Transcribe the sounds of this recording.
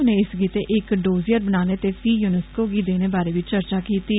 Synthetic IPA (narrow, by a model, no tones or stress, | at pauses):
nẽːɪsɡiːt̪eːʔɪkɖoːziːəɾbənaːneːt̪eːpʰiːjuːnəskoːɡiːd̪eːneːbaːɾeːʋɪt͡ʃt͡ʃəɾt͡ʃaːkiːt̪iː